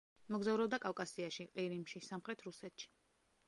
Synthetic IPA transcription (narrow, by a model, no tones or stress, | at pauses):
mɔɡzavɾɛbd̪akʼavkʼasiaʃiqʼiɾimʃisamχɾɛt̪ʰɾusɛt̪ʰʃi̥